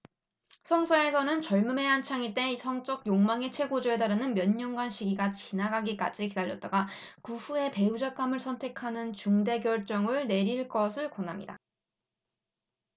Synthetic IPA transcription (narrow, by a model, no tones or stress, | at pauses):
sʰʌŋsʰaesʰʌnɯnt͡ɕʌɭmume̞ɦant͡ɕʰaŋit͈e̞isʰʌŋt͡ɕ͈ʌɡ̚joŋmaŋe̞t͡ɕʰwe̞ɡod͡ʑoe̞taɾɯnɯnmjʌɲːʌŋɡwanɕʰiɡiɡat͡ɕinaɡaɡik͈a̰d͡ʑikidaʎːʌt̚t͈aɡakuɸue̞pe̞ud͡ʑak͈amɯɭsʰʌntʰe̞kʰanɯnt͡ɕuŋde̞ɡjʌɭt͡ɕ͈ʌŋɯɭne̞ɾiɭk͈ʌsʰɯɭkonɦamɲḭda̰